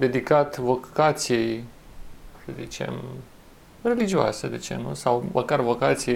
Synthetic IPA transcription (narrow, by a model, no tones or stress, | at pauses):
d̪e̞d̪ikat̪vo̞kat̪sijej | səzit͡ʃe̞̰m | re̞lid͡ʒioa̰sed̪et͡ʃe̞̰nusawmʔəkarvo̞kat̪sijej